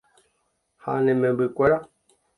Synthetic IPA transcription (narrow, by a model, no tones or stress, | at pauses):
ha̰nɛmɛbikwɛɾa